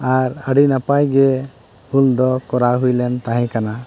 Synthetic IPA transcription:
aɾəɖinapajɡɛ | huld̪ɔkɔɾaɦujlɛnt̪aɦɛ̃kana

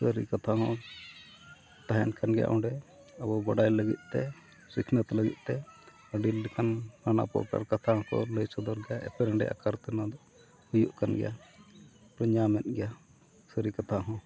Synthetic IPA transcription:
səɾḭkat̪ʰaɦɔ̃ | t̪aɦɛnkanɡɛja̰ʔɔ̃ɖɛ | əbɔbaɖajləɡḭt̪̚ˀt̪ɛ | sikʰnət̪ləɡḭt̪̚ˀt̪ɛ | əɖilkankana̰pɔ̰ʔka̰ɾkat̪ʰaɦɔ̃kɔ̰ləjsɔd̪ɔɾɡɛjaɛ̰pɛɾɛɳɖɛ̰ʔa̰kaɾt̪ɛnad̪ɔ | hujuʔkanɡɛ̰ja | pɾɔɲamɛt̪̚ˀɡɛja | səɾikat̪ʰaɦɔ̃

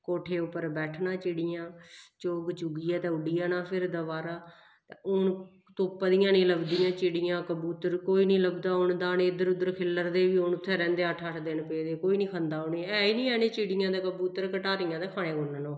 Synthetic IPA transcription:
koːʈʰeːʊpːəɾbɛːʈʰnãːt͡ʃɪɽɪjãːt͡ʃoːɡt͡ʃʊɡiːɛːt̪ɛ̃ːʊɖiːaːnaːpʰɪɾd̪əʋaːɾaː | t̪eʊn | t̪oːpːd̪ijãːnĩːləbd̪iːjãːt͡ʃɪɽijãːkəbuːt̪əɾkoːiːnĩːləbd̪aːʊɳd̪aːnẽːɪd̪əɾʊd̪əɾkʰɪlːəɾd̪eːʋiːʊnʊt̪ʰːɛːɾɛ̃ːnd̪eːəʈʰəʈʰd̪ɪnpeːd̪eːkoːiːnĩːkʰənd̪aːʊneːɛːiːnĩːɛːnẽːt͡ʃɪɽɪjãːd̪eːkəbuːt̪əɾkəʈaːɾijãːd̪eːkʰaːɽ̃eːɡoːnaːnõː

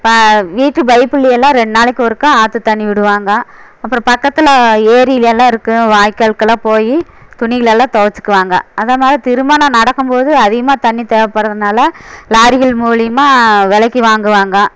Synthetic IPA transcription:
pʋiːʈrɯbɐɪpːɯlɐjɛlːãːɾɛɳɖnaːɭɪkːɔɾɯkːãaːt̪ːɯt̪ɐɳːiʋɪɽɯʋaːŋɡɐɐpːɯɾɔ̃pɐkːɐt̪ːɪlɐeːɾɪjɪlɛlːãːɪɾɯkːɯʋaːjkːɐɭkːɐlãːpoːji | t̪ʊnɪɣɐlɛlːãːt̪oːʋɐt͡ʃːɯ̥kːɯʋaːŋɡɐːðɐmaːðɾit̪ɪɾɯmaːnɐnɐɽɐkːɯmpoːðɯɐðɪɣɐmaːt̪ɐɳːit̪eːʋɐpːɐɾɐðɯnaːlɐlaːɾɪɣɐɭmuːlɪjɐmaːʋɛɭɐkːiʋaːŋɡɯʋaːŋɡɐ

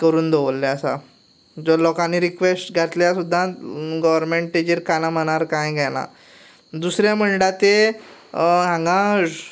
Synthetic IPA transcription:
kəɾuːnd̪ʱoʋəlːeəsa̰ | d͡zɔlɔkanːiɾikʋesʈɡʱat̪ljasud̪ʱːaɡɔʋəɾmeɳʈʈed͡ʑiɾkanam̤əñaɾkãjɡʱjɛna̰ | d̪usɾjaməɳɖat̪e | ɦãŋɡã

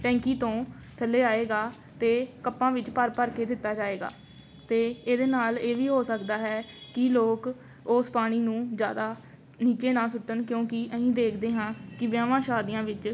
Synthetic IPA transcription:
ʈɛ̃ːŋkiːt̪õː | ʈʰəlːeːaːeːɡaː | t̪eːkəpːãːʋɪt͡ʃpəɾpəɾkeːd̪ɪt̪ːaːd͡ʒaːeːɡa̰ː | t̪eːeːd̪eːnaːleːʋiːɦoːsəkd̪aːɦɛːkɪloːk | oːspaːɽ̃iːnũːd͡ʒjaːd̪aː | niːt͡ʃeːnãːsʊt̪ːənkjõːkɪʔəɦĩːd̪eːkʰd̪eːɦãːkɪʋjãːʋãːʃaːd̪ɪjãːʋɪt͡ʃ

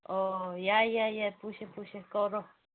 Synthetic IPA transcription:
ojajajapuʃepuʃekoɾo

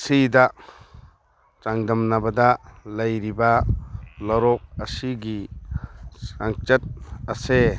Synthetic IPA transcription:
sida | t͡ʃaŋdɐmnabadalɐjɾiba | lɔɾɔk̚əsiɡi | aŋt͡ʃɐt̚ɐse

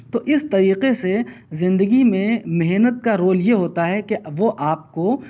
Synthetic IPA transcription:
t̪oːʔɪst̪ɐɾiːqese | zɪ̃nd̪əɡimẽmɛɦnət̪̚kaɾoːljeɦoːt̪aɦɛkeʋoʔaːp̚ko

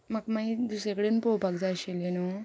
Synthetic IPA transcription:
makmaid̪usɾekəɽenpowpaɡd͡zaɕeleno

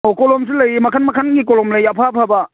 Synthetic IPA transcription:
okɔlɔms̬ilɐjmɐkʰanmakʰanɡikolɔmlɐjapʰapʰaba

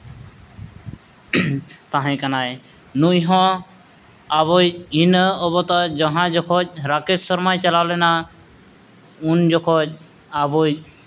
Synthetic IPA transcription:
t̪aɦɛ̃kanaj | nujɦɔ̃ | aβojinɔbɔt̪ad͡ʒɔɦãd͡ʒɔkʰɔc̚ɾaketsɔɾmajt͡ʃalawlɛna | und͡ʒɔkʰɔc̚ | abo

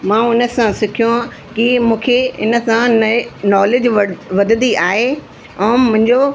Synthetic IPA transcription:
mãːʊnəsãsɪkʰijõã | kɪmũːkʰeɪ̰nə̆sãnɔːled͡ʑʋʋɐd̪ənd̪iaːɦe | ɛ̃ːmʊ̃ɦɪ̃ɲd͡ʑo

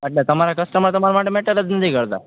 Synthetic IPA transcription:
əʈlat̪əmaɾakəsʈəmat̪əmaɾamaʈːemeʈəɾəd͡znəd̪ʱikəɾt̪a̰

